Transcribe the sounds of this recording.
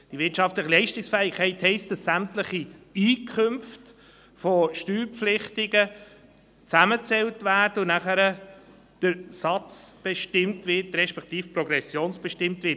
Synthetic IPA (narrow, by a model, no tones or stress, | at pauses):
d̥iʋɪtʃɑftləχəlɛɪʃtɪksfɛɪkʰɛɪthɛɪst̚d̥ɑsːæmtləχiiːkʰχɵmft | foʃtyːɾpflɪχtɪɡə | t͡sæmət͡sɛltvæːɾd̥əʊnæχəɾə | d̥əɾsɑt͡sb̥eʃtɪmtvɪtɾɛʃpɛktiːfpɾɔɡɾɛsjoːnsb̥ɛʃtɪmtvɪːt